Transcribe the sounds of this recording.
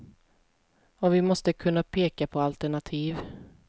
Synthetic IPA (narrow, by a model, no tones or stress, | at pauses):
ɔvɪmɔst̪əkʰɵnːapʰeːkapʰɔalt̪ɛɳat̪ʰiːv